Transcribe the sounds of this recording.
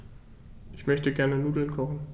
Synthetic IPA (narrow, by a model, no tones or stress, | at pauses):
ʔɪçmœçtəɡɛɐnənuːdl̩nkʰɔχn̩